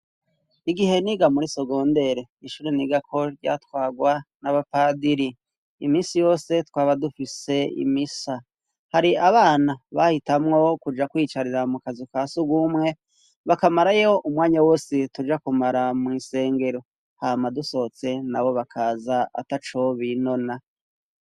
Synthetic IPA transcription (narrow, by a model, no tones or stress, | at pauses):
iɡihe̞niɡamuɾiso̞ɡo̞ːnde̞ɾe̞ | iʃuːɾeniɡakʰo̞ɾɟa̰ːtwaːɡwanaβapaːdiɾi | imiːnsijo̞ːse̞twaːβadufise̞ḭmisa | haɾiaβaːnaβahitamŋo̞kud͡ʒakwiːt͡ʃaɾiɾamukazikasuɡwumŋe̞ | βakamaɾajoʔumŋaːɲawo̞ːsitud͡ʒakumaɾamŋiːse̞ːŋɡe̞ɾo̞ | hamaduso̞t͡se̞naβo̞βakʰaːzaa̰tat͡ʃo̞βino̞na